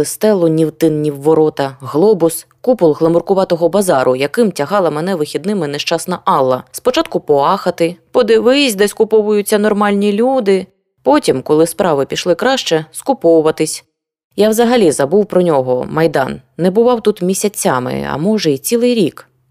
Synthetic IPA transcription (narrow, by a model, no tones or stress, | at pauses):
ɪst̪ɛlˠʊnʲiwt̪ɪnnʲiwːɔɾɔt̪ɐɦlˠɔbʊskupʊlˠɦlˠɐmʊrkʊʋɑt̪ɔɦɔbɐzɑɾʔʊjɐkɪmtʲɐɦɑlˠɐmɛnɛʋɪxʲid̪nɪmɪnɛʃt͡ʃɑsnɐʔɑlˠːɐspɔt͡ʃɑt̪̚kʊpɔɑxɐt̪ɪpɔd̪ɪʋɪsʲd̪ɛsʲkʊpɔʋʊjʊt͡sʲːɐnɔrmɑlʲnʲilʲud̪ɪ | pɔtʲimkɔlˠɪspɾɑʋɪpʲiʃlˠɪkɾɑʃt͡ʃɛskʊpɔwʊʋɐt̪ɪsʲ | jawzɐɦɐlʲizɐbuwpɾɔnʲɔɦɔmɐjd̪ɑ̰nːɛbʊʋɑwt̪ut̪mʲisʲɐt͡sʲːɑmɪ̰ɐ̰mɔʒɛit͡sʲilˠɪjɾʲik